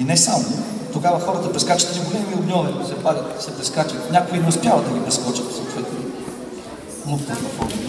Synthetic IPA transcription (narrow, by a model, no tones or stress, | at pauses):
inɛsamo | t̪oɡavɐxɔɾət̪əpɾɛskat͡ʃə̥t̪ziɡolɛmiʊnʲɔnisɛpad̪ət̪sɛpɾɛskat͡ʃit̪nʲakʊinɛʊspʲjavəd̪ɐɡʲipɾɛskɔt͡ʃət̪sɔt̪vɛt̪no | mut̪ɛnɐfɔ̰ɾmi